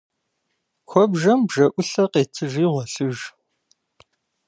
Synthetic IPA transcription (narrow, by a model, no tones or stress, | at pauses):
xʷɔbʒɐmbʒɐʔʷʊɬɐqeːtʰɨʒiːʁɐɬɨʒ